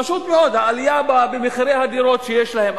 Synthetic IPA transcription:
aʃut̪meo̞d̪haːlijababemiχiɾehad̪iɾo̞t̪ʃejeʃlahe̞m

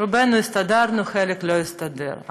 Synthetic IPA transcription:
ʊbɛnʊjʊst̪ɐd̪ɑrnʊxɛlʲɪklʲɔjɪst̪ɐd̪ɪ̰ɾ

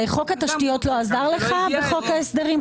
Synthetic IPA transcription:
eχo̞khat̪aʃtijo̞tlo̞azaʁleχabeχo̞khaesd̪eʁim

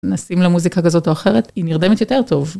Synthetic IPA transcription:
nasimlemuzikakazo̞toaχe̞ʁet̪iniʁd̪emet̪jo̞te̞ʁt̪o̞v

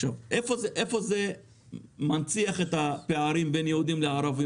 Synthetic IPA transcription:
avʔefozeʔefo̞ze | mant͡siaχet̪apeaɾimbenjeud̪imleaɾavi

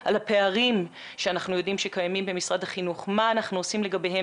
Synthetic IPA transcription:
ʔalape̞aʁim | ʃeanaχnujo̞dimʃekajamimbe̞misʁadaχinuχmaːnaχnuosimle̞ɡabehe

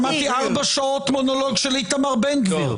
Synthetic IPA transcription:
mat̪iaʁbaʃaot̪monoloɡʃelit̪amaʁbɛnɡviʁ

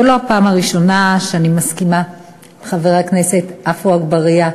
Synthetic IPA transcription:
elo̞apaːmaʁiʃo̞naʃeanimaskima | beχaveʁaknese̞t̪ʔafuaɡbaʁija

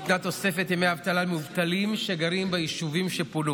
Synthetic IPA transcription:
t̪nat̪o̞se̞fet̪jemeavt̪alamuvt̪alimʃeɡaʁimbajiʃuvimʃeponu

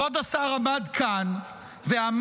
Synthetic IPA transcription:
od̪asaʁamadkʰan | veam

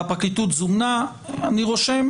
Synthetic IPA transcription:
pakit̪ut̪zumna | aniʁoʃem

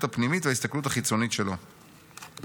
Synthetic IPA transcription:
tapnimit̪veaist̪aklutaχit͡so̞nitʃelo̞

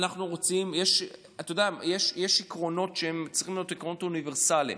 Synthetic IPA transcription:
naχnuʁot͡simjeʃ | at̪ːojdajeʃjeʃikʁo̞no̞tʃeemt͡sʁiχimlajotikʁonotauniveʁsalḭm

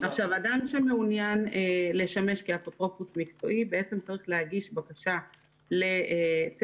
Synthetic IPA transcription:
aχʃavadanʃemeunjanele̞ʃame̞ʃkiapotʁo̞pusmikt͡so̞̰ʔibeet͡se̞mt͡saʁiχleaɡiʃbakaʃa | le̞t͡s

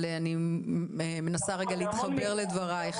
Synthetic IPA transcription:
leani | me̞nasaʁeɡaleit̪χabe̞ʁled̪vaʁaeχ

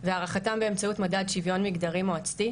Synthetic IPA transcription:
veaːʁaχatambeemt͡sautmadad̪ʃivjo̞nmiɡd̪aʁimoat͡sti

